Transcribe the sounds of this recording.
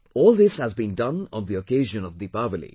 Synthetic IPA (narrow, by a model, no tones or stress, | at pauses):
ɔːlˠd̪ɪshæzbĩːndʌ̃nɔ̃nðiokeːʒə̃nɔvd̪ipavəlḭ